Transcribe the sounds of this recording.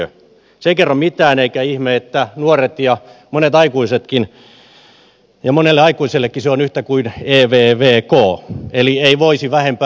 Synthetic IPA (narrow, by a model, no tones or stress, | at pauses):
ø | sekerːɑmit̪æːneikæihmeet̪ːænuoret̪jɑmonet̪ɑikuiset̪kin | jɑmonelːeɑikuiselːekːiseonyht̪ækuineːʋeːʋeːkoːelieiʋoisiʋæhempː